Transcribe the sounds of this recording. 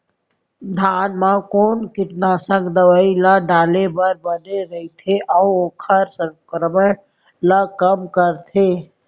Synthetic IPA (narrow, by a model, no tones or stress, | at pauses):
d̪ʱaːnmãkoːnkɪʈnaːsə̃kd̪əʋaːilaɖaːlebəɾbəneɾəɦit̪ʰeʔaoːkʰəɾsəkɾəmə | lakəmkəɾt̪ʰeː